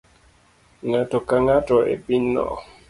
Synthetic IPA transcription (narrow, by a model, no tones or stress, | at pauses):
ŋatokaŋatɔʔḛpinɔ̰